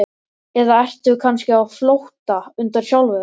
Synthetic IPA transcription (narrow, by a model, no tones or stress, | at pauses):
ɛðaɛr̥t̪ʏkʰanscɪawflowht̪aʏnt̪aɾ̥sjawlvɛ